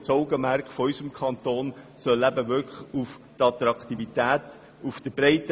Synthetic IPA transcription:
t͡sɔʊɡəmæɾkχfɔɔʏsəmkʰɑnt̪oːn | sœlːæbəʋʏkuf | tɑt̪ɾɑkt̪ivitæːt | ufd̥əb̥ɾɛɪtə

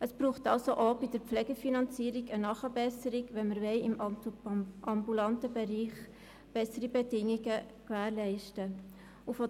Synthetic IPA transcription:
əsb̥ɾuːχtɑlsoʔobɪd̥əɾflɛːɡəfinɑnt͡siːɾiɡənɑːχəbɛsəɾɪɡʋɛnməɾʋɛɪɪmɑtuɑmbulɑntəbɛɾiːχ | b̥ɛsəɾibɛdɪŋiɡə | kvæːɾlɛɪʃtə | ufo

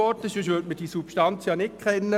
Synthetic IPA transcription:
ɔtəʃʃʋøtməd̥isupʃtɑnt͡sjɑnɪkʰχɛnːə

